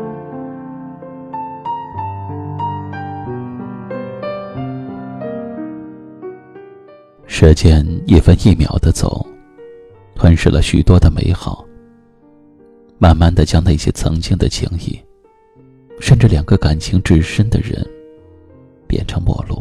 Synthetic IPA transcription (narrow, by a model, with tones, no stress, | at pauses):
ʂ̩˥t͡ɕjɛ˥˧ni˥˩fə˥ni˥˩mjɑ˨˩ʊd̪ə˦t͡so̰˨˩˦ʊ | t̪ʰwə˥nʂɻ̩˥˩lə̰˩ɕy̰˨˩t̪wɔ˥d̪ə˨me˧˥ɪxɑ˨˩˦ʊ | ma˥˩nma˥˧nd̪ə˨t͡ɕjɑ˥ŋna˥˩ɕjɛ̰˥t͡sʰɤ̰˧˥ŋt͡ɕi˥ŋd̪ə̰˨t͡ɕʰi˧˥ŋḭ˥˩ | ʂə˥˧nʈ͡ʂ̩˥˩ljɑ˨˩ŋɡə˦ka˨˩nt͡ɕʰi˧˥ŋʈ͡ʂɻ̩˥˩ʂə˥nd̪ə̰˨ɻə̰˧˥n | pjɛ̰˨˩nʈ͡ʂʰɤ˧˥ŋpwɔ̰˥˧lṵ˥˩